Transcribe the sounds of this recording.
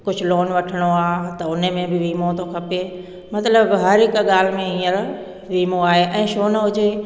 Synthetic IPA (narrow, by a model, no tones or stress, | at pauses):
kʊd͡ʑʱʊloːnʋɐʈʰəɽ̃oaːɦt̪ɐʊnemẽbɪʋiːmot̪okʰɐpe | mɐt̪ləbɦɐɾɪkɠaːl̤ɪmẽɦĩːəɾ | ʋiːmoaːɦeʔɛ̃ːʃoːnəɦʊd͡ʑe